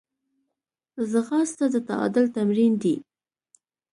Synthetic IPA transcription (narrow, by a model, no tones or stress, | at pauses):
zəxɑst̪ad̪ət̪a̰ɑ̰d̪ɪlt̪amɾind̪i